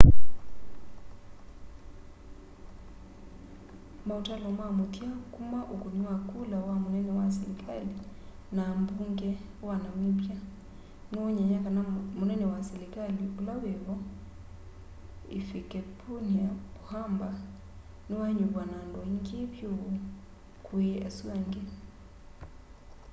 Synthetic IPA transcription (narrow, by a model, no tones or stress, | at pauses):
mautalɔmamutjakumaʔukuɲwwakulawamunɛnɛwas̬ɛlikʰali | nambuŋɡɛwanamibja | newɔɲɛɲakanamonɛnɛwasɛlikaliulawɛβɔ | ḛfikɛpʰunapohamba | newaɲuβwanandɔiŋɡeβjoo | kweaswaŋɡɛ